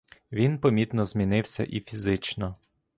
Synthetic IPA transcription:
ʋʲinpɔmʲit̪nɔzmʲinɪwsʲɐ̰ʔifʲizɪt͡ʃnɔ

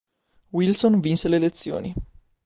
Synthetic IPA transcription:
wilsonvinselelet̪sːjo̰ːni

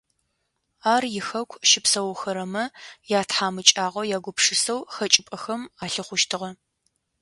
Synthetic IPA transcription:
aːrjɪxɐkʷʰʃɪpsɐwʊxɐɾɐmɐjaːtħaːmɨt͡ʃʼaːʁʷɐjaːɡʷʊpʂɨsɐwxɐt͡ʃʼɪpʼɐxɐmaːɬɨχʷʊʃtʰɨʁɐ

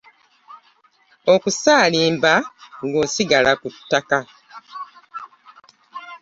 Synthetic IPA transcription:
o̞kusaːliːmbaŋɡo̞ːsiɡalakutːaka

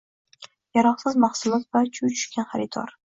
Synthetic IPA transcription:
jaɾɒqsɪzmɑχsʊlˠɒt̪vat͡ʃʰujt͡ʃʰʊ̥ʃkʲanχaɾɪt̪ʰɒ̰ɾ

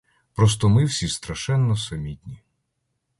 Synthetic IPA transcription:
pɾɔs̬t̪ɔmɪwsʲist̪ɾɐʃɛnːɔsɐmʲitʲnʲi

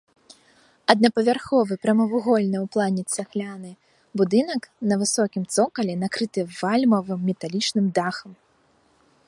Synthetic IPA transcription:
ɐd̪̚nɐpɐvʲarxɔvɨpɾɐmɐvuɣɔlʲnɨwplˠanʲɛt͡ssʲaxlʲanɨ | bud̪ɨnɐknɐvɨsɔkʲimt̪sɔkɐlʲɛnakɾɨt̪ɨvalʲmɐvɨmːʲɛt̪alʲit͡ʂnɨmd̪axɐm

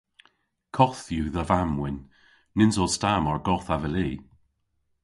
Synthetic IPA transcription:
kʰɔθjuðəvamwɪnː | ɪnzɔlˠstamɔɹɡɔθavəliː

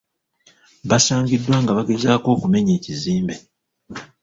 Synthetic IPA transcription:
βasaːɲɟidːwaːŋɡaβaɡe̞zaːko̞ːkume̞ɲeːciziːmbe

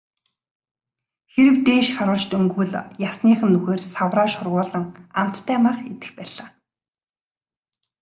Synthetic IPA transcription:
xeɾɘ̆wt̪eːʃχaɾʊːɮt͡ɕt̪ɵŋɡŭɮjasniːχə̆nːuxeːrsawraːʃʊrʁʊːɮə̆ŋam̥t̪ʰːæːmaːχet̪ɘ̆xpæːɮaː

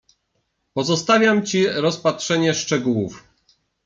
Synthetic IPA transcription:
pɔzɔst̪avʲjamt͡ɕiɾɔspatʂɛɲɛʂt͡ʂɛɡuwuf

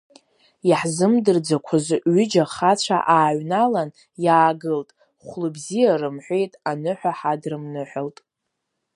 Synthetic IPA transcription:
jaħzɨmdɨrd͡zakʷʰazɨɥʏd͡ʒaχat͡ɕʷʰa̰ʔaːɥnalan | jaːɡɨltʼ | χʷlɨbzijarɨmħʷejtʼanɨħʷᶣaħadrɨmnɨħʷᶣaltʼ

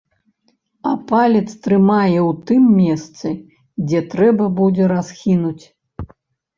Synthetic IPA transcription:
ɐpalʲɛt̪st̪ɾɨmajɛwt̪ɨmːʲɛst̪sɨ | d͡zʲɛt̪ɾɛbɐbud͡zʲɛɾasxʲinut͡sʲ

